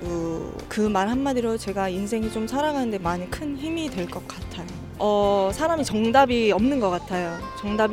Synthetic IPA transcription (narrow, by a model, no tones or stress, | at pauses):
kɯ | kɯmaɭɦanːadiɾot͡ɕe̞ɡainsʰe̞ŋit͡ɕomsʰaɾaɡanɯnde̞maɲikʰɯnçimidwe̞ɭk͈ʌk͈̚atʰajo | ʌsʰaɾamit͡ɕʌŋdabiʌmnɯnɡʌk͈atʰajot͡ɕʌŋdab